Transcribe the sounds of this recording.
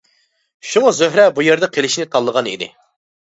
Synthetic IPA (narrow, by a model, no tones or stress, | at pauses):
ʃumʊzøɦɾɛbujeɾd̪ɛqʰelɪʃnɪt̪ʰɑlˠːəʁɑnḭd̪ɪ̰